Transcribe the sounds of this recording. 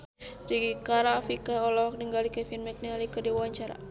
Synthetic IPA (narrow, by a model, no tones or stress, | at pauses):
riɡikaɾafikaɔlɔk̚nəŋɡalikɛfinmɛk̚nɛalikədiwaɲt͡ʃaɾa̰